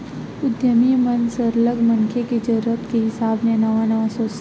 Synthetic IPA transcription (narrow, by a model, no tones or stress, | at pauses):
ʊd̪ʱjəmijmɐnsəɾləɡmɐŋkʰeked͡ʒɐɾəpkeɦɪsaːbnenɐʋanɐʋasoːs